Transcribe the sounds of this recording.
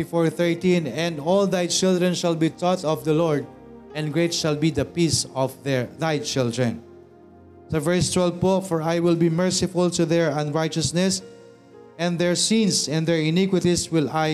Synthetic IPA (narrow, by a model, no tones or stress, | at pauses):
ifɔɹθɛɹt̪ĩnɛ̃nd̪ɔld̪ajt͡ʃɪld̪ɹɛ̃nʃalbit̪ɔt̪ɔvd̪ɐlɔɹd̪̚ | ʔɛ̃nɡɹejt̪ʃalbid̪ɐpisɔvðɛɹðajt͡ʃɪld̪ɹɛ̃n | sovɛɹst̪wɛlvpofɔɹajwɪlbimɛɹsɪfʊlt̪ʊðɛɹɐ̃nɹajt͡ʃɔsnɛs | ɛ̃nd̪ɛɹsĩnsɛ̃nd̪ɛɹɪnɪkwɪt̪iswɪla